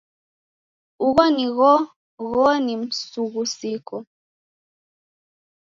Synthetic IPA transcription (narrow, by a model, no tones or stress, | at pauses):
uɣɔniɣɔ | ɣɔnim̩suɣusikɔ